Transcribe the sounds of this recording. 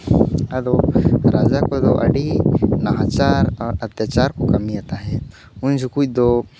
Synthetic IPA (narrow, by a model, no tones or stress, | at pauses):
ɐd̪oɾaːd͡ʒakod̪oʔɐ̰ɖinɐɦaːt͡ʃaːɾɔːɾɐt̪jat͡ʃaːɾkokɐmiaːt̪aɦɛ | ʊ̃nd͡ʒʱukuid̪oː